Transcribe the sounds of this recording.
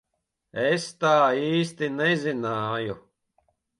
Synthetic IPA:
est̪aːiːst̪inɛzinaːju

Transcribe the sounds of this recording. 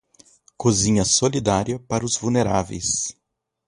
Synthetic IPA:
kozĩɲɐsolid̪aɾiɐpaɾɐʊzvulneɾavḛjs

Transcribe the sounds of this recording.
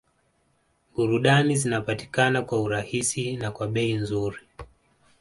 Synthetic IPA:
ɓuɾuɗanizinapati̥kanakwauɾahisinakwaɓɛinzuɾi

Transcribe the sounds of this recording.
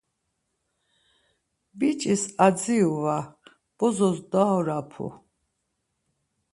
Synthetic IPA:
bit͡ʃʼisad͡ziuva | b̥ɔzɔsd̪aɔɾapʰṵ

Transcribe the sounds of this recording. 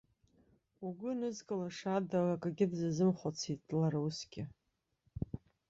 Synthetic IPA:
uɡʷʊnɨzkʼɨlaʂadarakʼaɡʲɪdzazɨmχʷot͡sʰit̚ʼd̥laɾausɡʲʼɪ

